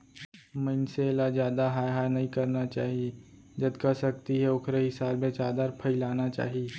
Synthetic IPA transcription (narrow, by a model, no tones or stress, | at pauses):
mɐɪnselad͡ʒjaːd̪aɦaːjɦaːɾnɐɦĩkɐɾnat͡ʃaːɦie | d͡ʒɐd̪kasɐk̚t̪iɦɛʊkʰɾeɦɪsaːlmẽt͡ʃaːd̪aɾpʰəilaːnat͡ʃa̰ːɦieː